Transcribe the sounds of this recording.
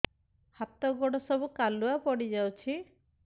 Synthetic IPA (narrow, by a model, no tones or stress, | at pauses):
hat̪ɔɡɔɽ̃ɔsɔbukaluapɔɽid͡ʒawt͡ʃʰi